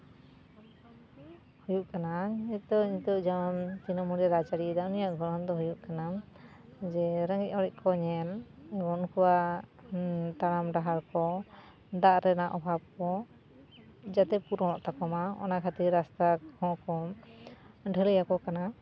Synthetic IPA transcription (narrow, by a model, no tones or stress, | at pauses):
hujuʔkanaic̚d̪ɔɲit̪ɔʔd͡ʒant̪inɔmuɾaɾat͡ʃaɽid̪aʔɔnijaʔɡʱɔɾɔnd̪ɔɦujuʔkana | d͡ʒɛɾəŋɡɛc̚ɔɽɛc̚kʰɔɲɛlɡɔnkuwa | t̪aɽamɖaɦaɾkɔ | d̪aʔɾɛnaʔɔbʱab̚kɔ | d͡ʒat̪ɛpuɾɔ̃ɔ̃ʔt̪akɔmaɔ̰nakʰat̪iɾast̪ahɔ̃kɔ | ɖʱəlɛjakɔkana